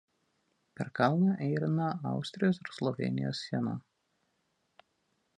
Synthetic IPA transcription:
pʲɛɾkɑlˠnɐʔɛɪɾʲɪnɐɑ̰ˑʊsʲt̪ʲɾʲɪjoːsɪɾslˠɔʋʲɛ̰nʲɪ̰joːsːʲiɛnɐ̰

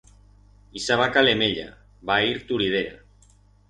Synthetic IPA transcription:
isaβakalemeʎa̰ | βaiɾt̪uɾið̞eɾa̰

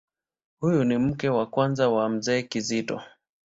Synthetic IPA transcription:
hujunim̩kɛwakwanzawam̩zɛːkizitɔ̰

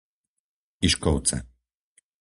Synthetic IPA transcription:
iʃkɔwt̪sɛ̰

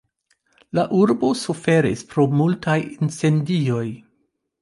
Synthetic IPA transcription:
laʔuɾbo̞sufe̞ɾḭspɾo̞multajinse̞ndio̞j

